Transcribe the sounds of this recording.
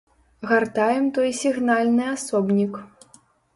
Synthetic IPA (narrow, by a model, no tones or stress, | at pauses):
ɣart̪ajɛmt̪ɔjsʲiɣnalʲnɨasɔbnʲik